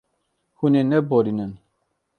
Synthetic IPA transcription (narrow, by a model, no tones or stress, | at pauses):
hunenɛboɾinən